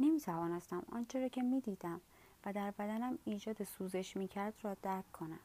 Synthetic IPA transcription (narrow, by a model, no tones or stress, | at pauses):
nemiːt̪ʰævɒːnest̪æmɒ̰ːnt͡ʃʰeɾɒːcʰe̞miːd̪iːd̪æm | væd̪æɾbæd̪ænæmiːd͡ʒɒːd̪esuːze̞ʃmiːcʰæɾd̪rɒːd̪̥æɾkʰːo̞næ̰m